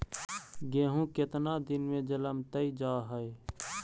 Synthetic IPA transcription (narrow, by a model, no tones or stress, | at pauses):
ɡẽːɦũkɪt̪nad̪ɪnmẽd͡ʒələmt̪əid͡ʒaːɦəe